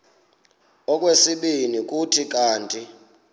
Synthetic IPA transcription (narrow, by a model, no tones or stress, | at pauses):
ɔk̬ʼwesiɓinik̬ʼutʰik̬ʼaːntʼi